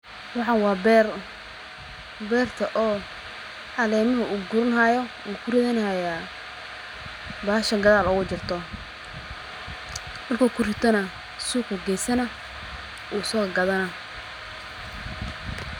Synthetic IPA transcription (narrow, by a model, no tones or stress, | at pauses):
wɑħɑnwɑːbɛr | bɛːrt̪ʰɐʔɔː | ħɑlɛːmɐɦʊʔuːɡʊɾɐnhaːjɔʔuːkʰʊrɪðɛnhajaː | baːʃɐɡɐðaːlʊɣʊt͡ʃɪrt̪ʰɔ | hɐlkʰɔːkʰʊrɪt̪ʰɐnɐ | suːkʊɡɛjsɐnɐ | uːsɔːɣɡɐðɐnɐ